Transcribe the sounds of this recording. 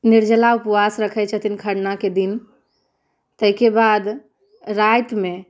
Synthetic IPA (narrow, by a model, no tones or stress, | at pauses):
niɾd͡ʒəlaupwasɾəkʰət͡ʃʰət̪ʰinkʰəɾnaked̪in | t̪əɦikebad̪ | ɾajt̪me